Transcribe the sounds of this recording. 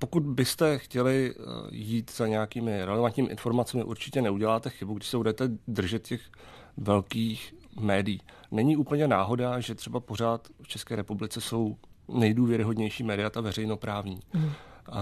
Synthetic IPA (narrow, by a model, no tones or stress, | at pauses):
po̞kut̪bɪst̪ɛxcɛlɪjiːt̪z̥aɲɛjakiːmɪɾɛlɛvant̪ɲiːmʔɪ̰nfo̞ɾmat͡sɛmɪ̰ʔuɾt͡ʃɪcɛnɛuɟɛlaːt̪ɛxɪbuɡdɪʃsɛbudɛt̪ɛd̪r̩ʒɛt̪cɛx | vɛlkiːxmɛːdɪjiː | nɛɲiʔuːpl̩ɲɛnaːɦo̞daːʒɛt̪r̥ɛbapo̞ɾaːt̪ft͡ʃɛskɛːɾɛpublɪt͡sɛso̞wnɛjduːvjɛɾɪɦo̞dɲɛjʃiːmɛːdɪat̪avɛɾɛjno̞pɾaːvɲiː